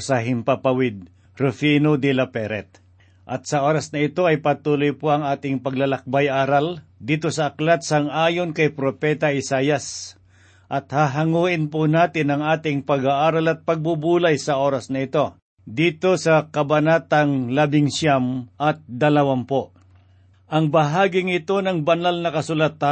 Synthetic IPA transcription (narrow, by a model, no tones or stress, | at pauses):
sɐɦɪmpapawɪd̪̚ | ɾʊfinod̪ɪlɐpɛɾɛt̪̚ | ʔɐt̪sɐʔo̞ːɾɐsnɐɪt̪o̞ɐjpɐt̪uːlojpoɐŋaːt̪ɪŋpɐɡlɐlɐk̚bajʔaːɾald̪iːt̪o̞sɐʔɐklat̪sɐŋaːjonkɐjpɾopɛt̪ɐʔɪsaːjɐs | ʔɐt̪haɦɐŋuːʔɪnpʊnaːt̪ɪnɐŋaːt̪ɪŋpɐɡaʔaːɾalɐt̪̚pɐɡ̚bubuːlajsɐo̞ːɾɐsnɐɪt̪o̞ | d̪iːt̪o̞sɐkɐbɐnaːt̪aŋlɐbɪŋʃjamʔɐt̪̚d̪ɐlɐwampoʔ | ʔɐŋbɐɦaːɡɪŋɪt̪o̞nɐŋbɐnalnɐkɐsʊlat̪ːa